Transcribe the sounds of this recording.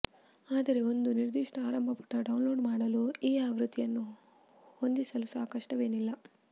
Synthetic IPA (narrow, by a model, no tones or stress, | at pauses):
aːd̪ɐɾe̞o̞nd̪uniɾd̪iʂʈɐaːɾɐmbʱɐpɐ̥ʈːɐɖɐwnloːɖmaːɽɐluiːaːʋɾut̪ːijɐnːu | ho̞nd̪isɐlusaːkɐʂʈɐʋe̞ːnilːɐ